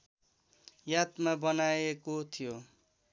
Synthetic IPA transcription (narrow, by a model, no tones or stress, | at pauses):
jat̪mabʌnaekot̪ʰijo